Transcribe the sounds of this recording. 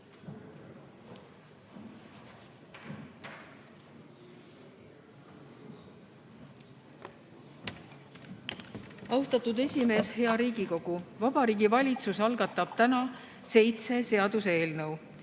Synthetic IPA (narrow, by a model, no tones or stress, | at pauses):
ɑwst̪ɑt̪ud̪e̞sʲime̞ːshe̞ɑɾiːɡiko̞ɡ̥uvɑb̥ɑɾiːɡivɑlʲit̪susɑlɡ̥ɑt̪ːˑɑb̥̚t̪ænɑ | se̞jt̪se̞se̞ɑd̪̥use̞ːlnɤw